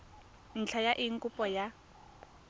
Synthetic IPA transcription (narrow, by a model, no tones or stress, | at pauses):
n̩t͡ɬʰajaʔiŋ̩kʼupʼɔja